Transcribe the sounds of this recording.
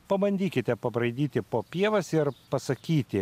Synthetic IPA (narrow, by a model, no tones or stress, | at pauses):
pɐbɐnʲd̪ʲiːkʲɪt̪ʲɛpɐbɾɐɪd̪ʲiːt̪ʲɪpoːpʲiɛʋɐsɪɾpɐsɐkʲiːt̪ʲɪ